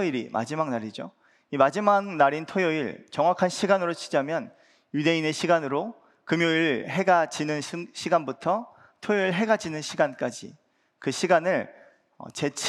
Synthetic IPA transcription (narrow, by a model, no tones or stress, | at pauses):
iɾimʔa̰d͡ʑimaŋnaɾid͡ʑo̰ | imad͡ʑimaŋnaɾintʰojʌiɭt͡ɕʌŋwakʰanɕʰiɡanɯɾot͡ɕʰi̥d͡ʑamjʌn | jude̞ine̞ɕʰiɡanɯɾo | kɯmjoiɭɦe̞ɡad͡ʑinɯnɕʰiɡanbutʰʌ | tʰojʌiɭɦe̞ɡad͡ʑinɯnɕʰiɡank͈ad͡ʑḭ | kɯɕʰiɡanɯɭ | ʌ̰t͡ɕe̞t͡ɕʰ